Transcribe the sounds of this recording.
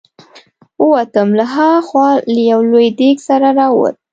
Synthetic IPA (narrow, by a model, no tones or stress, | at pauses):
wəwat̪əmlaɦaɣxwɑlajawlojd̪eksaɾaɾɑwə̰t̪̚